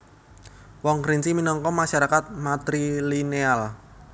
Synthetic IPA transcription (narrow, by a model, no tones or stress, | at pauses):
wɔŋkɾint͡ʃiminɔŋkɔmaʃaɾakat̪̚mat̪ɾilineal